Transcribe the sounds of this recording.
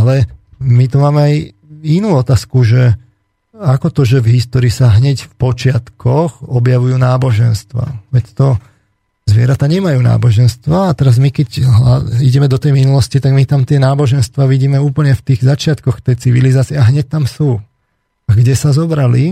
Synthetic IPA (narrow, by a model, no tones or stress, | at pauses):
alɛ | mit̪umaːmɛaj | inuːɔt̪aːskuʒɛ | akɔt̪ɔʒɛvɦist̪ɔːɾiːsaɦɲɛcfpɔt͡ʃɪat̪kʰɔxɔbjaʋujuːnaːbɔʒɛnst̪ʋa̰ːʋɛct̪ɔ | zʋɪɛɾat̪aːɲɛmajuːna̰ːbɔʒɛnst̪ʋaːt̪ɛɾazmikɛcɦlaiɟɛmɛd̪ɔt̪ɛjminulɔscit̪aɡmit̪amt̪ɪɛnaːbɔʒɛnst̪ʋaːʋiɟiːmɛuːpl̩ɲɛft̪iːɣzat͡ʃɪat̪kɔxt̪ɛjt͡siʋilizaːt͡siɛaɦɲɛc̚t̪amsuː | aɡɟɛsazɔbɾali